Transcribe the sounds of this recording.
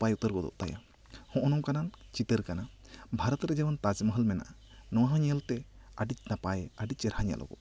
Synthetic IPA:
pajut̪əɾɡɔd̪ɔ̰ʔt̪aja̰ | hɔ̃ʔɔnɔ̃wkanant͡ʃit̪əɾkanabʱaɾɔt̪ɾɛd͡ʒɛwant̪ad͡ʒməɦəlmɛna̰ʔa | nɔwɦãɲəlt̪ɛaɖit͡ʃnapajaɖit͡ʃɛɾɦaɲa̰lʔɔ̰ɡɔ̰

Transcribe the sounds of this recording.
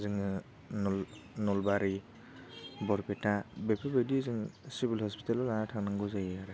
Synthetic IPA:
zɯŋɯ | nɔl | nɔlbaɾi | bɔɾpetabepʰebedizɯŋsibilhɔspi̥talɔlaatʰaŋnaŋɡɔzajaɾɯ

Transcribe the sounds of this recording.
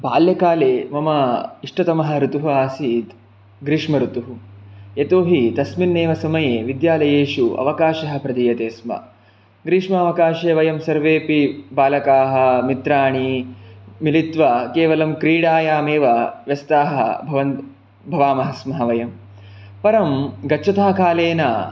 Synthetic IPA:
baːljɐkaːleːmɐmɐiʂʈɐt̪ɐmɐɦɐ̆ɾut̪uɦuaːsiːt̪ | ɡɾiːʂmɐɾut̪uɦujet̪oːɦit̪ɐsminːeːʋɐsɐmɐjeːʋid̪jaːlɐjeːʃuʔɐ̰ʋɐkaːʃɐɦɐ̆pɾɐd̪iːjɐt̪eːsmɐ̰ | ɡɾiːʂmɐɐːʋɐkaːʃeːʋɐjɐmsɐɾʋeːpibaːlɐkaːɦɐ̆mit̪ɾaːɳi | milit̪ʋɐkeːʋɐlɐmkɾiːɽaːjaːmeːʋɐʋjɐst̪aːɦɐ̰bʱɐʋɐnt̪ | bʱɐʋaːmɐɦɐsmɐɦɐʋɐjɐm | pɐɾɐmɡɐt͡ʃʰɐt̪aːkʰaːleːnaː

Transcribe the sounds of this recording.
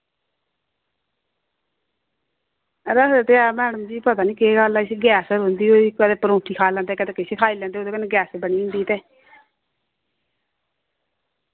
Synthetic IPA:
ɾəset̪eaːmɛːɽəmd͡ʒiːpət̪aːniːkeːɡalaɪseɡjɛːsɾond̪iːoːikːt̪eːpəɾõːʈʰiːkʰaːlãnd̪eːkət̪eːkɪsekʰaːiːlɛ̃ːnd̪eːoːd̪eːkənːɡjɛːsbəɳiːʊ̃nd̪iːt̪eː

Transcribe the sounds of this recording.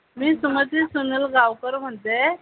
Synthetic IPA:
miːsumət̪isunəlɡawkəɾm̤əɳt̪e

